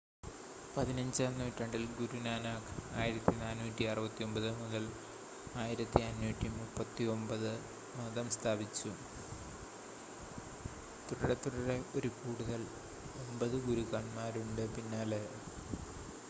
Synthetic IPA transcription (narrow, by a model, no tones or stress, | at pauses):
pɐðinɐɲd͡ʑɨɐnːuːtːrɐɳɖilɡuɾunaːnaːkaːjiɾɐt̪ːinaːnːuːtːiɐrɐbɐt̪ːio̞mbɐðɨmuðɐl | aːjiɾɐt̪ːiɐnːuːtːimupːɐt̪ːio̞mbɐðɨ | mɐðɐmst̪ʰaːbit͡ɕːu | t̪uɽɐɽet̪ːuɽɐɽeo̞ɾukuːɽuðɐl | o̞mbɐðɨɡuɾukaːɳmaːɾuɳɖɨpinːaːle